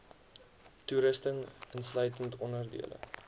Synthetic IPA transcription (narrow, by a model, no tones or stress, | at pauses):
tuɾəstəŋənslœɥtəntʰɔnərdḭələ̰